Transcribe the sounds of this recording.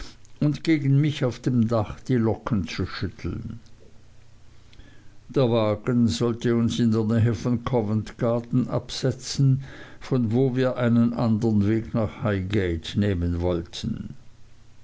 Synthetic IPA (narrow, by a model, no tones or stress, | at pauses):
ʊntɡ̥eːɡn̩mɪçaʊfd̥eːmdaχd̥iːlɔkn̩t͡suʃʏtʰl̩n | d̥eːɐvaːɡənzɔltəʊnsɪndeːɐnɛːɦəfɔnkʰɔvəntɡ̥aɐtn̩ʔa̰psɛt͡sn̩fɔnvoːviːɐʔaɪnənʔandəʁənveːɡnaːχhaɪɡɛɪtneːmənvɔltʰən̩